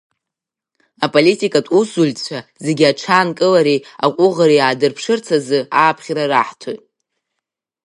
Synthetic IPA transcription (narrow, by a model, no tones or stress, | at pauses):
apʼolitʰʼikʼatʼusult͡ɕʷʰazeɡʲiaʈ͡ʂʰaːnkʼɨlaɾiaqʷʼʊʁaɾiaːdɨrpʰʂɨrt͡sʰazɨaːpʰχʲraraħtʰojtʼ